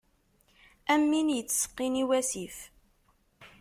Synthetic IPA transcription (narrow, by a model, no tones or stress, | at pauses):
æmːinjət͡sːsə̥qːiniwæsif